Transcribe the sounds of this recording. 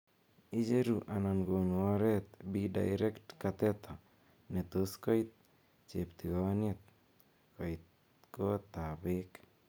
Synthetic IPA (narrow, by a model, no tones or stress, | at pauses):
id͡ʒeɾuʔananɡonuɔɾet̪̚bida̰jɾektkat̪et̪ɔ | net̪oskɔjt̪̚ | t͡ʃept̪iɡɔniet̪̚ | kojt̪ | kot̪abek